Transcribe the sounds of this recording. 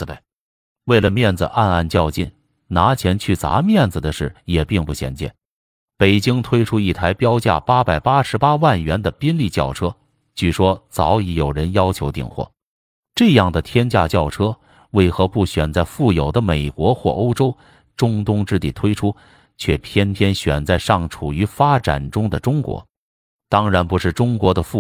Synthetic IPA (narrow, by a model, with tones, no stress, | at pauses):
we˥˩ɪlə˩mjɛ˥˩nd͡zɹ̩̰˨˩ʔa˥˧na˥˧nt͡ɕjɑ˥˧ʊt͡ɕi˥˩n | na˧˥t͡ɕʰjɛ˧˥nt͡ɕʰy˥˩t͡sa̰˧˥mjɛ˥˩nd͡zɹ̩˩d̪ə˩ʂɻ̩˥˩jɛ˨˩pi˥˧ŋpu˥˩ɕjɛ̰˧˥nt͡ɕjɛ̰˥˩n | pe˨˩ɪt͡ɕi˥ŋt̪ʰwe˥ɪʈ͡ʂʰu˥i˥˩t̪ʰa˧˥ɪpjɑ˥ʊt͡ɕja̰˥˩pa˥pa˨˩ɪpa˥ʂɻ̩˧˥pa˥wa˥˩nɥɛ˧˥nd̪ə˨pi˥nli˥˧t͡ɕjɑ̰˥˩ʊʈ͡ʂʰɤ˥ | t͡ɕy˥˩ʂwɔ˥t͡sɑ˧˥ʊi˧˥jo˨˩ʊɻə˧˥njɑ˥ʊt͡ɕʰjo˧˥ʊt̪ḭ˥˧ŋxwɔ̰˥˩ | ʈ͡ʂɤ˥˧jɑ˥˩ŋd̪ə˩t̪ʰjɛ˥nt͡ɕja̰˥˧t͡ɕjɑ˥˩ʊʈ͡ʂʰɤ˥ | we˥˩ɪxɤ˧˥pu˥˩ɕɥɛ˨˩nt͡sa˥˧ɪfu˥˩jo˨˩ʊd̪ə˦me˨˩ɪkwɔ˧˥xwɔ̰˥˩ʔo˥ʊʈ͡ʂo˥ʊ | ʈ͡ʂʊ˥ŋt̪ʊ˥ŋʈ͡ʂɻ̩˥˧t̪i˥˩t̪ʰwe˥ɪʈ͡ʂʰu˥ | t͡ɕʰɥɛ˥˩pʰjɛ˥npʰjɛ˥nɕɥɛ̰˨˩nt͡sa˥˧ɪʂɑ˥˩ŋʈ͡ʂʰu˨˩y˧˥fa˥ʈ͡ʂa̰˨˩nʈ͡ʂʊ˥ŋd̪ə˨ʈ͡ʂʊ˥ŋkwɔ̰˧˥ | t̪ɑ˥ŋɻa˧˥npu˧˥ʂɻ̩˥˩ʈ͡ʂʊ˥ŋkwɔ˧˥d̪ə˧fu˥˩